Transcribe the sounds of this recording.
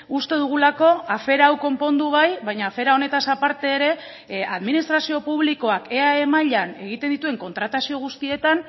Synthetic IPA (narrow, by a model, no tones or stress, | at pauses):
ust̪e̞ðuɣ̞ulako̞afe̞ɾaːwko̞mpo̞nd̪uβajβajɲaːfe̞ɾao̞ne̞t̪asapaɾt̪e̞ːɾe̞ | aðminist̪ɾasio̞puβliko̞ake̞ae̞maʎane̞ɣ̞it̪e̞nd̪it̪ue̞ŋko̞nt̪ɾat̪asio̞ɣ̞ust̪ie̞t̪an